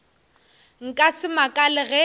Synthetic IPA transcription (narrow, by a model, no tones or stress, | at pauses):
ŋ̩kʼasɪmakʼalɪɣɛ